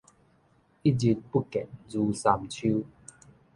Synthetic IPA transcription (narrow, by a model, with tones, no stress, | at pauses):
ʔi˦d͡ʑi˧˦t̚pu˦kɛ˨n̚zuː˨˧sa˧mt͡ɕʰi˦